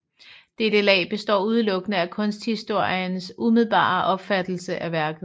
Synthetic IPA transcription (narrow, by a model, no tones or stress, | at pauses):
d̥ed̥əlɛ̰ːb̥e̝sd̥ɒ̰ːuð̞ˠlɔ̽ɡ̥ənəækʰɔ̽nsd̥hisd̥o̝ɐ̰ijənsumið̞ˠb̥ɑ̰̈ːʔɒ̽b̥fæd̥l̩səʔæʋæɐɡ̥ð̩ˠ